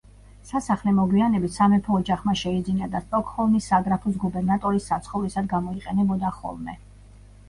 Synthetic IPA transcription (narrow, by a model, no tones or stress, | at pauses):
sasaχlɛmɔɡwianɛbit̪ʰsamɛpʰɔːd͡ʒaχmaʃɛid̪zinad̪ast̪ʼɔkʰhɔlˠmisːaɡɾapʰus̬ɡubɛɾnat̪ʼɔɾisːat̪sʰχɔvlisad̪ɡamɔiqʼɛnɛbɔd̪aχɔ̰lˠmɛ